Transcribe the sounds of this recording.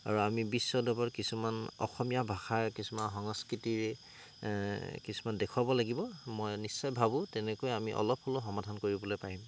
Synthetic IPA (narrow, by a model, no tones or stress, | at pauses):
a̰ɹuamibisːɔdɔbɔɹkisumanɔ̰xɔmijabʱaxaɹkisumanɦɔŋɔskɹitiɹɛ | kisumandɛkʰuwabɔlaɡibɔmɔjnisːɔjbʱabʊ̃tɛnɛkojamiʔɔ̰lɔpʰholoxɔmadʱankoɹibɔlojpaɹim